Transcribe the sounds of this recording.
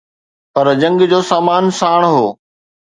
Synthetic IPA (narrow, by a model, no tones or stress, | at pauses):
pɐɾd͡ʑɐ̃ŋɡd͡ʑoːsaːmaːnsaːɽ̃ɦoː